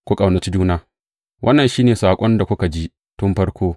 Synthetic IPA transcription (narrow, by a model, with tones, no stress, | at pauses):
kʷu˦kʼa˨wnɐ˨t͡ʃi˦d͡ʒuː˦naː˦ | wʔɐ˦nːɐ˨nʃiː˦neː˨saː˨kʷʼɔ˦nda˨kʷʊ˦ka˨d͡ʒi˦ʔ | tʊ˦mɸɐ˦rkʷʰoː˦